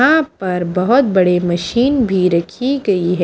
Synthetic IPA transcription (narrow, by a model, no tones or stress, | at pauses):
ãpɐɾbɐɦʊt̪̚bɐɽemɐʃiːnbʱiɾɐkʰiɡɐiɦɛ